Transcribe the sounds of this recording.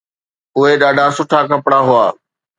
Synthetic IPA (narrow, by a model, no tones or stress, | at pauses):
ʊɦeɗaːɖʱasʊʈʰakɐpɽaɦʊaː